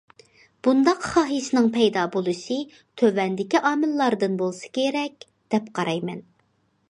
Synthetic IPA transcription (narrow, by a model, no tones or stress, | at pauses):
b̥und̪ɑqχɑːɦɨʃnɨŋpʰɛjd̪ɑːbolˠɨʃɨ | t̪ʰøvɛnd̪ɪkʲiʔɑːmɪlˠːɑɾd̪ɨnbolˠsɨ̥kʲʰeɾɛk̚ʲ | d̪̥ɛpqʰɑɾɑjmɛn